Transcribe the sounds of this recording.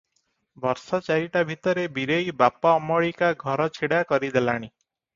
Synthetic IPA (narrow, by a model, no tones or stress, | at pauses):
bɔɾsɔt͡ʃaɾiʈabʱit̪ɔɾebiɾejbapaɔmɔɭikaɡʱɔɾɔt͡ʃʰiɽakɔɾid̪elaɽ̃i